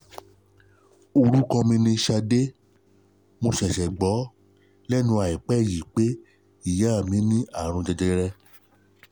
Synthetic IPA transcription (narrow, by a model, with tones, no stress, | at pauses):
o˧ɾu˦kɔ̃˧mĩ˧nĩ˧ʃa˧de˦ | mo˧ʃɛ̃˨ʃɛ˨ɡ͡bɔ˨˦ | lɛ˦nũ˧a˨i˨k͡pɛ˦˨ji˨k͡pe˦ | i˦˨ja˨˦˨mĩ˨˦nĩ˦a˦˨ɾ̃ũ˧d͡ʒɛ˧d͡ʒɛ˧ɾɛ˧